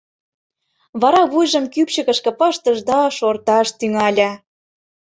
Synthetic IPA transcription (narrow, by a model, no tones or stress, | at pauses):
βɑɾɑβujʒɤ̆mkypɕə̆kə̆ʃkɤ̆pɑʃt̪ɤ̆ʒd̪ɑʃort̪ɑʃt̪yŋɑlʲɑ